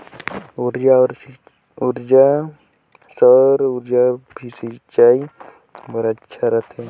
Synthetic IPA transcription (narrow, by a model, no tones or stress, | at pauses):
uɾd͡ʒaɔɾ | uɾd͡ʒa | səɾuɾd͡ʒabʱisit͡ʃaj | bʱəɾatːʃʰaɾat̪ʰe